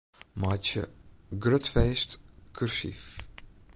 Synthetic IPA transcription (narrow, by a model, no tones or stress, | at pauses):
maːt͡ʃə̰ɡrøtfeːstkʰyrsḭf